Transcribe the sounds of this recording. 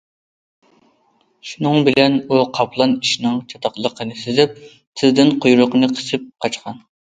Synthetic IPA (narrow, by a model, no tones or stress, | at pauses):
ʃunɨŋbɪlɛnuqʰɑpʰlˠɑniʃinɪŋt͡ʃʰɑt̪ʰɑqlˠəqʰənɨsɪzɪp̚ | t̪ʰɪzd̪ɪnqʰojɾʊqənɨqʰə̥sɪp̚qʰɑt͡ʃqʰɑn